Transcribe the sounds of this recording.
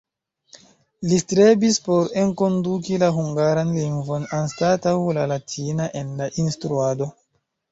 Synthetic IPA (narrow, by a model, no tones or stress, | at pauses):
listɾe̞bispo̞ɾe̞nko̞ndukilaɦuŋɡaɾanliŋɡvo̞nanstatawlalatʰinaʔe̞nlaʔinstɾuado̞